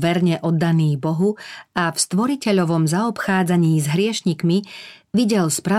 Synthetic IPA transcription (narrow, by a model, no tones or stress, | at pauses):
ʋɛɾɲɛʔɔd̪ːaniːbɔɦuafst̪ʋɔɾicɛʎɔʋɔmzaɔpxaːd͡zaɲiːzɦɾɪɛʃɲikmiʋiɟɛlspɾa